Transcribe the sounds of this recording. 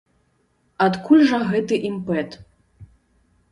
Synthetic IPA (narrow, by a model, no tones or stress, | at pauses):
at̪kʰulʲʐɐɣɛt̪ɨʔimpɛt̪